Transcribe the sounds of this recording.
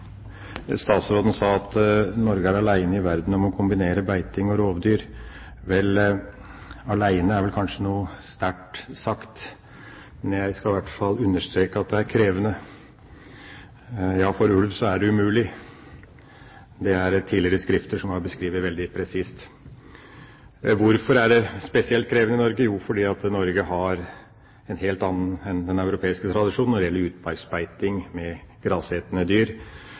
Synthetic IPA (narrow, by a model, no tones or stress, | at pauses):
st̪ɑːt̪sʋoːd̪ən̩sɑːɑt̪nɔɾɡəæɾɑlæɪnəɪʋæɾd̪n̩ɔmɔkʰʊmbɪneːɾəbæɪt̪ɪŋɔɾoːʋd̪yːɾ | ʋɛl | ɑlæɪnəæɾʋɛlkʰɑnʂənuːəst̪æʈsɑkt̪ | mɛnjæɪskɑʋæʈfɑlːʉnːəʂt̪ɾeːkəɑt̪̚d̪ɛæɾkʰɾeːʋənə | jɑːfɔɾʉlʋsɔæɖɛʉmʉːlɪ | d̪ɛæɾt̪ʰiːlɪəɾəskɾɪft̪əʂɔmhɑɾbəskɾiːʋəʋɛld̪ɪpʰɾɛsiːst̪ | ʋʊɾfɔɾæɖɛspɛsɪɛlt̪̚kʰɾeːʋənəɪnɔɾɡəjufɔɖiːɑt̪nɔɾɡəɦɑɾ | ɛnɦeːlt̪ɑnːənɛnd̪ɛnɑʉɾʊpʰeːɪskət̪ʰɾɑd̪ɪʂuːnnːɔɖɪjɛlːəɾʉːt̪̚bɑɪspæɪt̪ɪŋmɛɡ̥ɾɑːsheːt̪ənəd̪yːɾ